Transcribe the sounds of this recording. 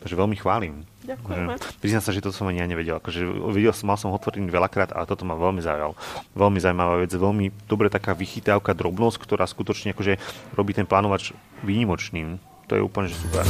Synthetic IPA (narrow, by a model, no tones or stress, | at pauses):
t̪aɡʒɛʋɛlmixʋaːlim | akɛpɾiznamsaʒɛt̪ɔt̪ɔsɔmaɲiaɲɛʋɛɟɛlakɔʒɛʋɛɟɛlsɔmalsɔmɔt̪ʋɔɾiɲiʋɛlakɾaːt̪a̰lɛt̪ɔt̪ɔmaʋɛlmiza̰ṵja̰lʋɛlmizawuimaʋaːʋɛd͡zʋɛlmid̪ɔbɾɛt̪akaːʋixit̪aʊkad̪ɾɔbnɔsckt̪ɔɾʔaːskut̪ɔt͡ʃɲɛakɔʒɛɾɔbiːt̪ɛnplaːnɔʋad͡ʒ | ʋiːɲimɔt͡ʃniːm | t̪ɔ̰jɛ̰ṵːpl̩ɲɛʒɛsupɛ̰ɾ